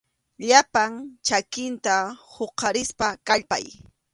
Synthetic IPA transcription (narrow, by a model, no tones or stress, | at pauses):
ʎapaŋt͡ʃakɪnt̪ahoqɑɾɪspakaʎpa̰j